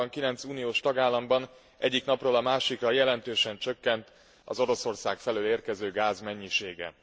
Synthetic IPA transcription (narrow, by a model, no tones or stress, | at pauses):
ɒŋkilɛnt̪suːnijoːʃt̪ɒɡaːlːɒmbɒn | ʔɛɟːiknɒproːlɒmaːʃikrɒjɛlɛnt̪øːʃɛnt͡ʃø̞kːɛnt̪ | ɒ̰zo̞ɾo̞so̞rsaːkfɛløːleːrkɛzøːɡaːzmɛɲːiʃeːɡɛ̰